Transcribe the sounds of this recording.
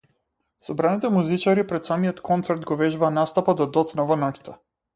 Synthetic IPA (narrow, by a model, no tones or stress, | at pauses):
sɔbɾanit̪ɛmuzit͡ʃaɾipɾɛt̪samijɔt̪kʰɔnt̪sɛɾd̪ɡɔvɛʒbaːnast̪apad̪ad̪ɔt̪snavɔnakʲi̥t̪ʰɛ